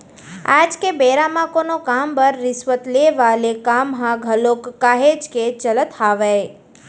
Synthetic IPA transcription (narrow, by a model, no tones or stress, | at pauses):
ad͡ʒkebeɾamakonokambəɾːɪsʋət̪leʋalekamɦãɡʱəlokːaɦed͡ʒket͡ʃələt̪ʰaʋe